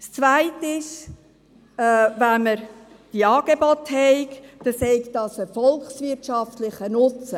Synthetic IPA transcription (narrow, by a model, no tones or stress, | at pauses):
st͡svaɪtɪʃ | vænməɾ | d̥iɑːɡ̥ebɔt̪hɛɪkd̥ɑsɛɪkdɑsəfɔlksvɪtʃɑft̪lɪχənʊt͡sə